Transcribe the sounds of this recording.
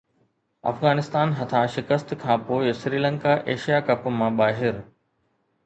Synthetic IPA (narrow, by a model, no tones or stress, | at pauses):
ɐ̰fɣaːnɪst̪aːnɦɐt̪ʰãʃɪkəst̪kʰãːpoːɪsɾiːlə̃ŋkaʔeːʃijakɐpmãɓaːɦɪɾ